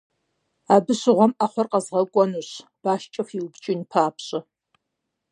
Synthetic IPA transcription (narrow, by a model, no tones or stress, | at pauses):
aːbɨɕɪʁʷɔmaχʷɔrqɐzʁɐkʷʼɔnuːɕb̥aːʃt͡ʃʼɐfiwbt͡ʃʼɪnpʰaːpʰɕʼɐ